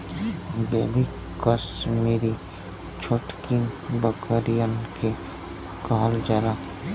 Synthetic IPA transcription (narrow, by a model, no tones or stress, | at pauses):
beːbi | kəsmeːɾi | t͡ʃʰoːʈkinbəkəɾijənke | kaɦld͡ʒaɾaː